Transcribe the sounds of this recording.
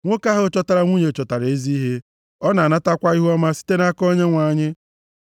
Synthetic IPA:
ŋʷo˦ka˦ɦʊ˦t͡ʃɔ˦ta˦ɾa˦ŋʷu˦ɲe˨t͡ʃɔ˨ta˨ɾe˦zi˦i˦ɦe˦ | ɔ˦na˨a˨na˦ta˦kʷa˦i˦ɦu˦ɔ˦ma˦si̥˦te˦na˦kɔ˦ɲe˦ŋʷa˨ɲɪ˦

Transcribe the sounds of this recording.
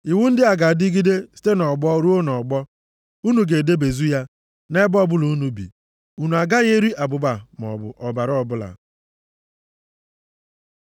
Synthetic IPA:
i˨wʊ˦n̩˦dɪ˦a˨ɡa˨di˦ɡi˦de˦si̥˦te˦nɔ˨ɡ͡bɔ˦ɾu˦o˦nɔ˨ɡ͡bɔ˦ | u˦nu˨ɡe˨de˦be˨zu˦ja˦ | ne˦bɔ˦bʊ˦lu˨u˦nu˨bḭ˨ | u˨nu˨a˨ɡa˦ɣe˦ɾi˦ʔa˨bʊ˨ba˨m˨ɔ̰˨bʊ̰˨ʔɔ˨ba˨ɾɔ˨bʊ˦la̰˨

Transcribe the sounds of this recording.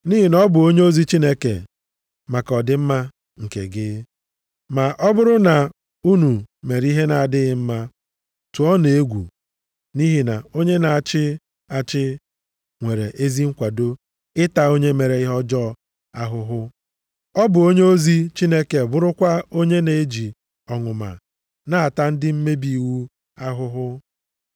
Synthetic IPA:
ni˦ɦi˨nɔ˦bʊ˨o˦ɲe˦o˦zi˦t͡ʃi˦ne˦kḛ˨ | ma˨kɔ˨dɪ˦m̩˦ma˦ | ŋ̩˨kḛ˨ɡɪ˦ | ma˨ʔɔ˦bʊ˦ɾʊ˦na˨ | u˦nu˨me˨ɾi˦ɦe˦na˨a˨dɪ˦ɣɪ˨m̩˦ma˦ | tu˨ɔ˦ne˨e˦ɡʷu˨ | ni˦ɦi˨na˨o˦ɲe˦na˨a˨t͡ʃɪ˦ | a˦˨t͡ʃɪ˦ | ŋʷe˨ɾe˨ʔe˦zi˦ŋ̩˦kʷa˨do˦ | ɪ˦ta˨o˦ɲe˦me˨ɾe˨ɪ˦ɦɔ˦d͡ʒɔ˦˨ | a˦ɦʊ˦ɦʊ˦ | ɔ˦bʊ˨o˦ɲe˦o˦zi˦t͡ʃi˦ne˦ke˨bʊ˦ɾʊ˦kʷa˦o˦ɲe˦ne˨e˦d͡ʒi˨ | ɔ˨ŋʊ˨ma̰˨ | na˦a˨ta˦n̩˦dɪ˦m̩˦me˦bi˨wu˦ | a˦ɦʊ˦ɦʊ˦

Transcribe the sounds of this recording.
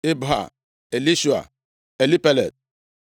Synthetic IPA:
ɪ˦bɦa̰˨ | e˨li˦ʃu˨a̰˨ | e˨li˦pe˦lḛ˨t̚

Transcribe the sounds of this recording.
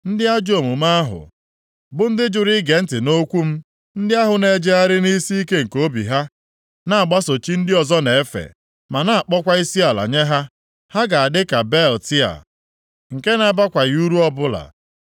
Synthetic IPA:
n̩˦dɪ˦a˦d͡ʒo˨mu˨ma˦a˦ɦʊ̰˨ | bʊ˦n̩˦dɪ˦d͡ʒʊ˨ɾi˦ɡe˨n̩˦tɪ˨no˦kʷu˦m̩˦ | n̩˦dɪ˦a˦ɦʊ˨ne˨d͡ʒe˦a˦ɾɪ˦ni˦si˦i˦ke˦ŋ̩˨ko˦bḭ˨ɦa˦ | na˦˨a˨ɡ͡ba˦so˨t͡ʃi˦n̩˦dɪ˦ɔ˨zɔ˦ne˨e˦fḛ˨ | ma˨na˦a˨k͡pɔ˦kʷa˦i˦si˦a˨la̰˨ɲe˦ɦa˦ | ha˦ɡa˨a˨dɪ˦ka˨bɛ˦˨ltɪ˦a̰˨ | ŋ̩˨ke˦na˦ba˦kʷa˨ju˦ɾu˦ɔ˦bʊ˦la̰˨

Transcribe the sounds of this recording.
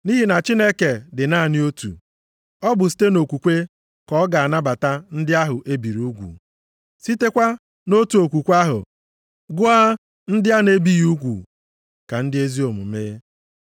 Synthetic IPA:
ni˦ɦi˨na˨t͡ʃi˦ne˦ke˨dɪ˨na˦˨nɪ˦o˦tṵ˨ | ɔ˦bʊ˨s̬i̥˦te˦no˨kʷu˨kʷe˦ | kɔ˦ɡa˨a˨na˦ba˨ta˦n̩˦dɪ˦a˦ɦʊ˨ʔe˦bi˨ɾu˦ɡʷṵ˨ | si˦te˦kʷa˦ | no˦tu˨o˨kʷu˨kʷa˦ɦʊ̰˨ | ɡʊ˦a˦ | n̩˦dɪ˦a˦ne˦bi˦ju˦ɡʷṵ˨ | ka˨n̩˦dɪ˦e˦zi˦o˨mʊ̰˨me˦

